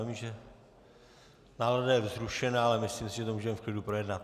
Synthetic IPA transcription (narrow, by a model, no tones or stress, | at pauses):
mʒɛ | naːladajɛzɾuʃɛnaːalɛmɪsliːmsɪʒɛt̪omuːʒɛmɛfklɪdupɾo̞jɛdnat̪̚